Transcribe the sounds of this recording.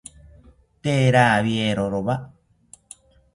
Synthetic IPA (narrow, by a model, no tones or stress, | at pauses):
t̪eɾaːβieɾoɾoβa